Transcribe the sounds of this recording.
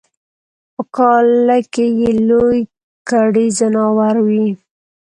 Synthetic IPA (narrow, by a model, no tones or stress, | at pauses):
pəkɑlakejeloj | kaɽizanɑwaɾwi